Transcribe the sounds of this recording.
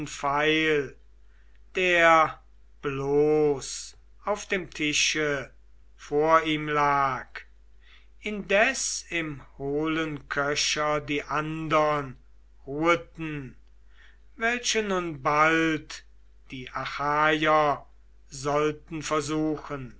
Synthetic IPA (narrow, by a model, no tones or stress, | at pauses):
nfaɪl | d̥eːɐ | b̥loːs | aʊfd̥eːmtʰɪʃə | foːɐiːmlaːk | ʔɪndɛsɪmhoːlənkʰœʃɐdiːʔandɐn | ʁuətn̩ | vɛlʃənʊnbalt | d̥iːʔaxaːjɐ | zɔltn̩fɛɐzuːxən